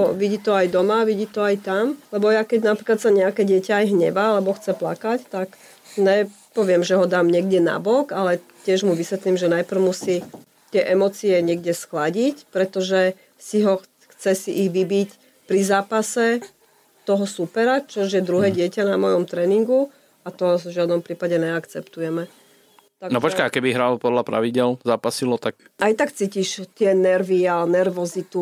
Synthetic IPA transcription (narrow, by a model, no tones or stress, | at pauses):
ɔʋiɟiːt̪ɔajd̪ɔmaʋiɟiːt̪ɔajt̪amlɛbɔjakɛɟnapɾiklat̪saɲɛakɛɟɪɛcaːjɦɲɛ̰ʋaalɛbɔxt͡sɛplakact̪ak | ɲɛ | pɔʋɪɛmʒɛɦɔd̪aːmɲɪɛɡdɛna̰bɔɡalɛ | cːɪɛʒmuʋisʋɛt̪limʒɛnajpr̩ʊmusi | t̪ɪɛʔɛmɔt͡siɛɲɪɛɡ̚dɛsxlaɟicpɾɛt̪ɔʒɛ | siɦɔ | xt͡sɛsiʔiɣʋibic | pɾizaːpasɛ | t̪ɔɦɔsupɛɾat͡ʃɔʒjɛd̪ɾuɦɛːɟɪɛcanamɔjɔmt̪ɾɛːniŋɡu | at̪ɔʒɪad̪nɔmpɾiːpaɟɛnɛakt͡sɛpt̪ujɛmɛ | t̪aɡnɔpɔt͡ʃkaakɛbiɦɾalpɔd̪lapɾa̰ʋiɟɪɛlzaːpasilɔt̪ak̚ | ʔajt̪akt͡siːciʃt̪ɪɛnɛɾʋianɛɾʋɔzit̪u